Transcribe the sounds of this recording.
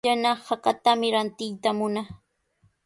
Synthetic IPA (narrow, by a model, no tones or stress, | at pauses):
anahakat̪amɪɾant̪ɪjt̪amʊna